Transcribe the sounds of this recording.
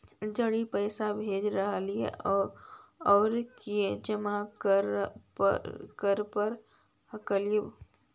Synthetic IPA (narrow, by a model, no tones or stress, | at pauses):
d͡ʒəɽipəɪsabʱed͡ʒɾəɦəlijḛʔɔːɾɔːɾked͡ʒəmaɾ | kəɾpəɾ | həkəlije